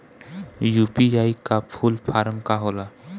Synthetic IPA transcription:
jupiajkapʰulpʰaɾmkaɦola

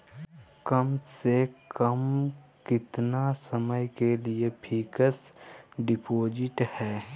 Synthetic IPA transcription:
kəmsekəmkɪt̪nasəməjkeliepʰiːkəsɖɪpoːd͡ʒɪʈhɛː

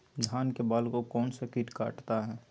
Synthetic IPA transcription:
d͡ʒ̪ʱaːnkebaːlkokɔːnsekɪʈka̰ːʈt̪aɦɛː

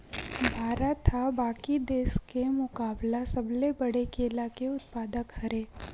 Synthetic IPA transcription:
bʱaːɾat̪ʰːabaːkid̪eːskemʊkaːblasɐblebɐɽekeːlakeʊt̪paːd̪əkhɐɾeː

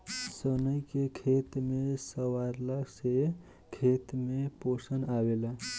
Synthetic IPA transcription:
sənəjkekʰet̪mesəwaɾlase | kʰet̪meposənawela

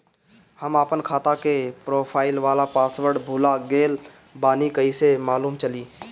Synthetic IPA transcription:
həmaːpənkʰaːt̪akepɾoːpʰaːɪlʋaːlapaːsʋəɾɖbʱuːlaɡeːl | baːnikəisemaːluːmt͡ʃəliː

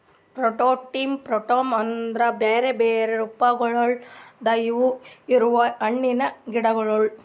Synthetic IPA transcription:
pɾoʈoːʈːiːmpɾɔʈoːmɐnd̪ɾɐbeːɾebeːɾeɾupːɐɡɐɭɐɭd̪ɐjʋuiɾuʋɐɐɳːinɐɡiɽɐɡɐɭɐɭ

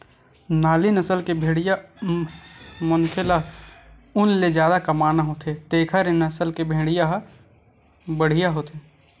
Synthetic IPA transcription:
naːlinɐsəlkebʱẽːɽɪja | mʊnkʰɪla | ʊnled͡ʒjaːd̪akɐmaːnaɦoːt̪ʰet̪eːkʰaɾenɐsəlkebʱeːɽɪjaɦ | bəɽ̤ɪjaɦoːt̪eː

